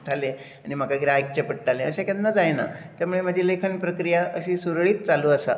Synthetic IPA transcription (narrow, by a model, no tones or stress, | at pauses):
t̪ʰalẽ | añim̤akaɡɾaɦik̚t͡ɕepəɽ̚t̪alẽəɕakãnd̪ad͡zajna̰t̪jamuːɭem̤ad͡ʑʱiːlekʰənpɾəkɾijaʔəɕiːsuɾɭiːt̪̚t͡saluːəsa̰